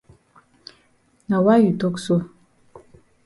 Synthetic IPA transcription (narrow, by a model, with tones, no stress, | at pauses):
na˨wa˦ji˨to˦kso˦